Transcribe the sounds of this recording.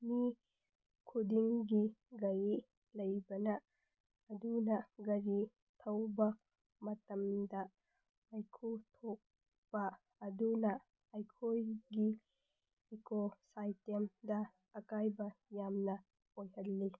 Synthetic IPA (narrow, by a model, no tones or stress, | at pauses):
mi | kʰudiŋɡiɡɐji | lɐjbɐnɐː | dunɐɡɐɾi | tʰɐwbɐ | mɐtɐmdɐ | ajkʰutʰɔk̚ | b̥ɐː | dunɐ | ajkʰojɡi | ekosajtemdɐː | kajbɐjamnɐ | ojhɐlːi